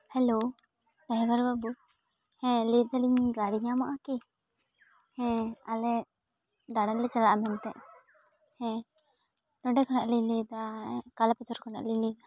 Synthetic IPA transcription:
hɛlo | bɛɦbaɾbabu | hɛ̃lid̪aliɲɡaɽiɲamaʔaki | hɛ̃alɛ | d̪aɽalɛt͡ʃalaʔamɛnt̪ɛ̰ʔ | hɛ̃ | nɔɖɛkʰɔnaʔliɲlid̪akalapɛt̪ʰɔɾkʰɔna̰ʔliɲlid̪a

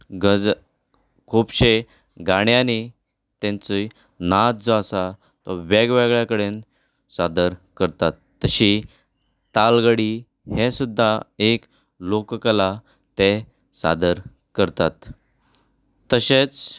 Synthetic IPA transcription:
ɡə | kʰubɕe | ɡaɽjani | t̪ɛ̃nt͡səj | nat̪̚d͡zɔasa | t̪ɔʋeɡʋeɡɭjakəɽen | sad̪əɾkəɾt̪at̪ːəɕi | t̪alɡəɽi | hẽsud̪ʱːaek | lokkəla | t̪e | sa̰d̪əɾ | kəɾt̪at̪ | əɕet͡s

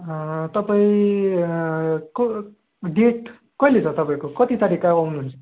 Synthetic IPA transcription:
t̪ʌpaĩ | k | ɖeʈ | kʌilet͡sʰʌt̪ʌpaĩkokʌt̪it̪aɾikawawnuɦunt͡sʰʌ̥

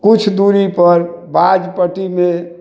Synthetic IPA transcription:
kut͡ʃʰd̪uɾipəɾbad͡ʒpəʈime

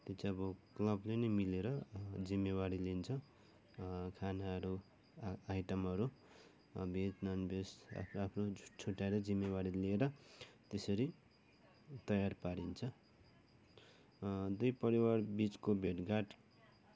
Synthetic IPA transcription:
t̪et͡sʰiʌbʌklʌblenʌjmileɾʌd͡zimːewaɾilint͡sʰʌ | kʰanaʌɾu | ajʈʌmʌɾu | bʱet͡snʌnbʱesa̰pʰapʰrou̥t͡sʰuʈːajlʌd͡zimːewaɽilieɾʌt̪esʌɾi | t̪ʌjarpaɾint͡sʰʌ | d̪ujpʌɾiwarbit͡skobʱeʈɡaʈ

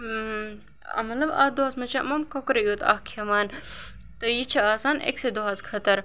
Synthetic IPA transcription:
ɐ̰mɐlɐba̰ːd̪oɦaːsmɐt͡ʃʰɐɐ̰mɐmkokɾɐjuːt̪a̰ːkʰemaːn | t̪ɐjit͡ʃʰɐaːsaːnʔḛksed̪oɦaːzkʰɐt̪ɐɾ

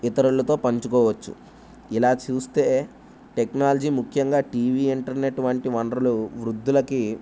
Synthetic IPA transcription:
it̪ɐɾuɭɐt̪o̞ːpɐɲt͡ʃukɔːʋɐt͡ʃːṵ | ilaːt͡ʃuːst̪eː | ʈeknaːlɐd͡ʒiːmukʰjɐŋɡaːʈiːʋiːiɳʈɐɾinɐʈuʋɐɳʈiʋɐɳɖɾɐluʋɾud̪ːulɐki

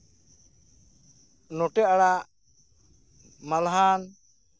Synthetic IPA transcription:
nɔʈɛaɽaʔ | malɦan

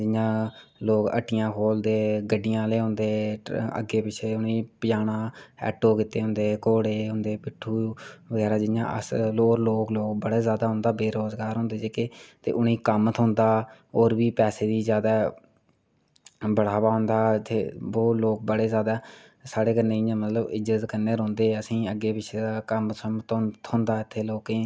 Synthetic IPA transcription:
d͡ʒɪjãːloːkə̰ʈːɪjãːkʰoːld̪eːɡəɖɪjãːleːɦʊ̃nd̪eːə̰ɡːeːpɪt͡ʃʰeːʊnĩːpɪjaːɽãːɛ̰ːʈoːkɪt̪eːɦʊ̃nd̪eːkoːɽeːɦʊ̃nd̪eːpɪʈʰːuːbəɡɛːɾaːd͡ʒɪjã̰ːʔə̰soːɾloːkloːkbəɽeːzjaːd̪aːɦʊ̃nd̪aːbeːɾoːzɡaːɾɦʊ̃nd̪eːd͡ʒeːkeːt̪ḛːʔʊniːkəmt̪ʰʊ̃nd̪aː | oːɾbiːpɛːseːd̪iːzjaːd̪aː | bəɽ̤aːʋaːɦʊ̃nd̪aːt̪ʰeːoːloːk̚bəɽeːzjaːd̪aː | saːɽeːkənːeːɪãːmət̪ləbɪd͡ʒət̪kənːeːɾõːnd̪eːəsĩːəɡːeːbɪt͡ʃʰeaːkəmsmt̪ːt̪ʰõːnd̪aːɪt̪ʰːeːloːkẽː

